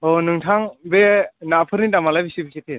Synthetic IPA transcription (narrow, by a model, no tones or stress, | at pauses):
onɯŋtʰaŋbenapʰɯɾnidamalajbisibisitʰi